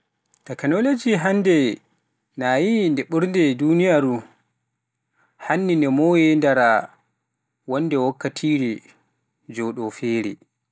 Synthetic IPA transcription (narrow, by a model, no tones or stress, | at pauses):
tɛknɔlod͡ʒiɦandɛ | najindɛɓuɾndɛdunijaɾu | hanːinɛmɔjɛndaɾa | wɔnːdɛwɔkːatʰiːɾɛ | d͡ʒɔɗɔfeːɾɛ̰